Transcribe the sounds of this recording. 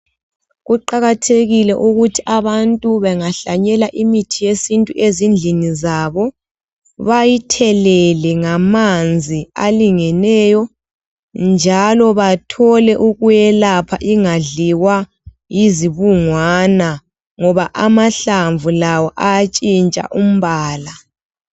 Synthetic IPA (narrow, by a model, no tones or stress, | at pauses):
ɣuǃaɣatʰeɣilɛʔuɣutʰiʔaβantʼuβɛŋaɬaɲɛlaʔimitʰijesintʼuʔezind͡ɮʱinizaβɔ | βajitʰɛlɛlɛŋamand͡zʱialiŋɛnɛjɔ | nd͡ʒʱalɔβatʰɔlɛʔuɣujɛlapʰaʔiŋaɮiwa | jiziβuŋwana | ŋɔβaʔamaɬaɱvulawɔʔajat͡ʃʼint͡ʃʼa̰ʔum̩βaːla